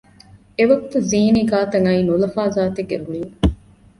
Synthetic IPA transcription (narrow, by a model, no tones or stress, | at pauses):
eʋɐɡut̪ɐziːniɡaːt̪ɐŋɐiːnulɐfaːzaːt̪eɡːeɾuniː